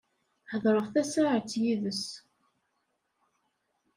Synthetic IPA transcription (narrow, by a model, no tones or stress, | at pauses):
ħəðˤɾˤəʁθæsaʕət͡sːjiðəs